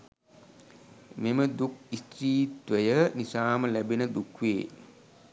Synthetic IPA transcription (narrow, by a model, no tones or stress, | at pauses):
meməd̪uk̚ist̪ɾiːt̪ʋəjənisaːməlæbenəd̪ukʋeː